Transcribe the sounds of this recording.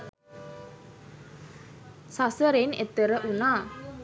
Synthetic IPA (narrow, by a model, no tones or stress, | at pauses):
sasəɾɪnet̪əɾəʔuna